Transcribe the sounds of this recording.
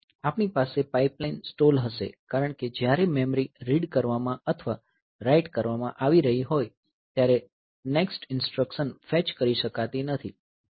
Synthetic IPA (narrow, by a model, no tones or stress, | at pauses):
apnipasepaiplainsʈolɦəʃḛkaɾəɳ̃ked͡ʒjaɾememɾiɾiɖkəɾʋamãət̪ʰʋa | ɾaiʈkəɾʋamãʔaʋiɾəɦiɦoj | t̪jaɾe | neksʈɪnsʈɾəkʃənfɛt͡ʃkəɾiʃəkat̪inət̪ʰi